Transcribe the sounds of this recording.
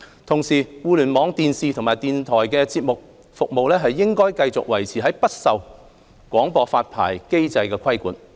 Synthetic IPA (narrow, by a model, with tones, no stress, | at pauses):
t̪ʰʊ˨˩ŋsiː˨˩wuː˧lyː˨˩nmɔː˨˧˥ŋt̪iː˨nsiː˨˧t̪ʰʊ˨ŋmaː˨jt̪iː˨˧nt̪ʰɔː˨˩jkɛː˧t͡siː˧p̚mʊ˨k̚ | fʊ˨k̚mo˨wlɛː˥ɦɐ˨jːɪ˥ŋkɔː˥jkɐ˧jt͡sʊ˨k̚wɐ˨˩jt͡sʰiː˨˩ɦɐ˨˥jpɐ˥t̚sɐ˨w | kʷɔː˨˥ŋpɔː˧faː˧t̚pʰa̰ː˨˩jke˥jt͡sɐ˧jkɛː˧kʰɐ˥jkuː˨˥n